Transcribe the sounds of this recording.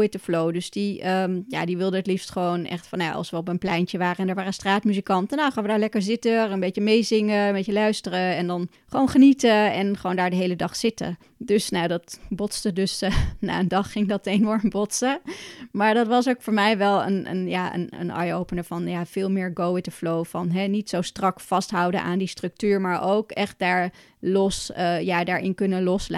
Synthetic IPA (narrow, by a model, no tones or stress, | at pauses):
ɪtdəflowdɵsdiəmja̰ːdiʋɪlˠdəətlifstχəʋownɛ̰χtfɑnja̰ʔɑ̰lˠsʋəɔpənplɛjnt͡ʃəʋaːrəɛndəɹʋaːrəstraːtmyzikɑntənawχaːnʋədaːɹlɛkəɹzɪtəənbejt͡ʃəmejzɪŋəmbejəlœɥstərəɛndɑn | χəʋoːwnχənitəɛnχəʋoːwndaːɹdəɦejlədɑχsɪtə̰ | døsnawdɑtbɔtstədɵsna̰ːəndɑχːɪŋdɑtenɔɹmbɔtsəmaːɹdɑtʋɑs̬owkfʊːɹmɛjʋɛlˠə̰nə̰njaːə̰nə̰nɑ̰jowpənəvɑnjaːv̥ɪːlˠmɪːɹɡowɪtdəflowfɑnɦɛnitsowstrɑkfɑstɦʌwdə̰nʔa̰ːndistrɵk̚tyːɹmaːɹʔowkɛχt̚daːɹ | lɔsjaːdaːɹʔɪ̰nkɵnəlɔsla̰